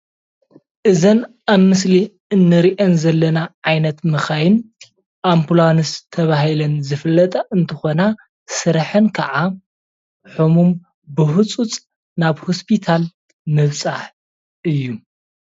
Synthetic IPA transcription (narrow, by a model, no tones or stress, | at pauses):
ʔɨzɐn | ʔaβmɨsli | ɨnːɨɾiʔenzɐlːɐnaʕajnɐt̪mɨxajɪn | ʔamplanɨst̪ʰɐβahilɐnzɨfɨlːɐt̪ʼɐʔɨnt̪ʰɨxo̞na | sɨɾħɨnkʰɐʕa | ħumum | bɨhut͡sʼut͡sʼ | naβhospʰit̪ʰal | mɨβt͡sʼa̰ħ | ʔɨjːu